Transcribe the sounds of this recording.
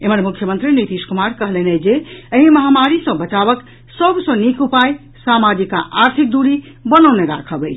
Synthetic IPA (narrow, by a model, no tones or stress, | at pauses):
eməɾmukʰjəmə̃nt̪ɾinit̪iskumaɾkəɦlened͡ʒeəɦĩməɦamaɾisə̃bət͡ʃabək | səbsʌ̃nikupaj | samad͡ʒika̰ʔaɾt̪ʰik̚d̪uɾi | bənəwneɡa̰kʰəbəjt͡ʃʰ